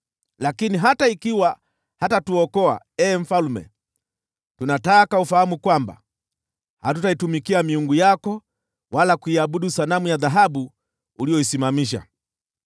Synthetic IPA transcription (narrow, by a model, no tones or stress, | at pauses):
lakiniɦataikiwa | hatatuɔkɔa̰ | ɛːm̩falumɛ̰ | tunataːkaufahamukwamba̰ | hatutaitumikiamiuŋɡujakɔ | walakuiaɓuɗusanamujaðaɦaɓuː | lijɔisimamiʃ̬a̰